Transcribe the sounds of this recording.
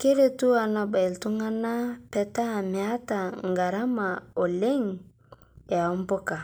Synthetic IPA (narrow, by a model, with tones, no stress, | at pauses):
ke˦ɾe˦tu˦a˨na˨ba˨i˨ltu˦ŋa˦na˦pɛ˦ta˦˨mi˨a˦ta˨ŋɡa˨ɾa˦ma˨o˨le˦ŋ | e˨a˨u˦mpɔ˦ka˨